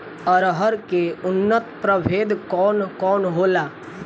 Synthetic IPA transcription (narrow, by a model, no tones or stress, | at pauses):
əɾɦəɾkeʊnːət̪pɾəbʱeːd̪kɔːnkɔːnɦoːlaː